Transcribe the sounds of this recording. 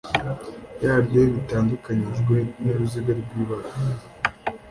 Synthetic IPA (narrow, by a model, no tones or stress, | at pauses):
jabjeβitaːndukaɲiʒɡwe̞neɾuziɡaɾbɡwiːβaɾa